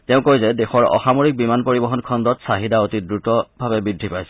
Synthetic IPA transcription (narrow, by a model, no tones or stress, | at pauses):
tɛʊ̃kojzɛdexɔɹɔ̰xamoɹik̚bimanpoɹibɔɦɔnkʰɔndɔtsaɦidaotidɹutɔbʱabɛbɹidʱːipajsɛ